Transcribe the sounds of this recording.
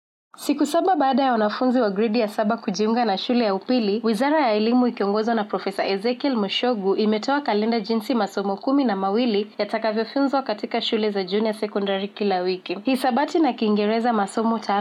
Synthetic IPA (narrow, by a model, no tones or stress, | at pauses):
sikusaɓaɓaːɗajawanafunziwaɡɾɛɗijasaɓakuʄiuŋɡanaʃulɛjaupiliwizaɾajaɛlimuikiɔŋɡɔzwanapɾɔfɛsaʔɛzɛkɛlmuʃɔɡuʔimɛtɔakalɛndaʄinsimasɔmɔkuminamawilijatakavjɔfunzwakatikaʃulɛzaʄunijasɛkɔndaɾikilawikihisaɓatinakiːŋɡɛɾɛzamasɔmɔtʰa